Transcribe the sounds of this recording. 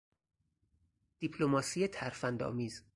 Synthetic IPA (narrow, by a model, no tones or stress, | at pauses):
d̪̥ipʰlomɒːsiːet̪ʰæɾfænd̪ɒ̰ːmiːz